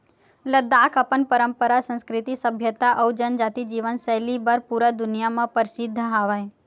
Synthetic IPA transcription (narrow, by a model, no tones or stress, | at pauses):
ləd̪akʰəpənpəɾəmpəɾasə̃nskɾɪt̪isəbʱjət̪aʔəwd͡ʒənd͡ʒat̪id͡ʒiʋənsɛɦlibəɾpuɾad̪ʊnijamãpəɾɪsɪd̪ʱːɦaʋaj